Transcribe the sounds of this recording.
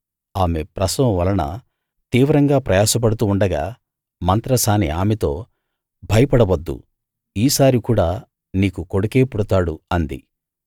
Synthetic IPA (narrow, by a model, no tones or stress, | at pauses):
aːme̞pɾɐsɐwɐʋɐlɐnɐ̰ | t̪iːʋɾɐŋɡaːpɾɐjaːsɐp̬ɐɽut̪uːɳɖɐɡaː | mɐnt̪ɾɐsaːniaːmet̪o̞ː | bʱɐjɐpɐɽɐʋɐd̪ːṵ | iːsaːɾikuːɽaː | niːkuko̞ɽukeːpuɽɐt̪aːɽuɐnd̪ḭ